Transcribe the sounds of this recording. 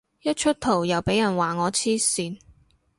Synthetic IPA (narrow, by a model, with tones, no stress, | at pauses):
jɐ˥t̚t͡ʃʰɵ˥t̚t̪ʰo˨˩wjɐ˨˩wpe˨˥jɐ˨˩nwaː˨ŋɔː˨˧t͡sʰiː˥siː˨˧n